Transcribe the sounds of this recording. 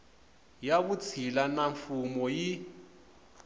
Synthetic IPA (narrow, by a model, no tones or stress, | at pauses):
jakut͡sʰilanaɱfumɔji